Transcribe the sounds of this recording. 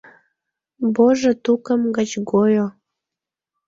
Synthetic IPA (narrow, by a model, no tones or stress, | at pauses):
boʒot̪ukəmɡət͡ɕɡojo